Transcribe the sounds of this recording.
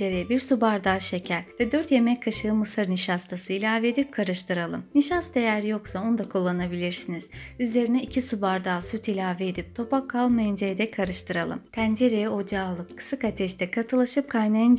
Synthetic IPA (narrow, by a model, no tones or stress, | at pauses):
eɾejɛbiɾsubaɾd̪aːʃe̞cʰæɾvɛd̪øɾt̪je̞mɛckʰːaʃɯɯmɯsɯɾniʃast̪ʰasɯilʲaːveed̪ip̚kʰaɾɯʃt̪ʰɯɾalˠɯmniʃast̪ejæɾjo̞ksaond̪akʰulˠːanabilʲiɾsiniz̥yze̞ɾinɛicʰisubaɾd̪aːsut̪ʰilʲaːvied̪ip̚t̪ʰo̞pakʰːalˠmajɯnd͡ʒejd̪ɛkʰaɾɯʃt̪ʰɯɾalˠɯ̰mt̪ʰænd͡ʒe̞ɾejɛo̞d͡ʒaːlˠɯkʰːɯ̥sɯkat̪ʰɛʃt̪ʰɛkʰat̪ʰɯlˠaʃɯp̚kʰajnajɯn